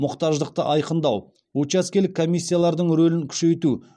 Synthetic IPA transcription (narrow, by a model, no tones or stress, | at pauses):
mʊqt̪ɑʒd̪əq̚t̪əʔɑjqənd̪ɑw | ot͡ʃɑskʲe̞lɪkʰːomijsʲːijalˠɑɾd̪əɴɾɵlɪŋkʲʰʏ̥ʃe̞jt̪u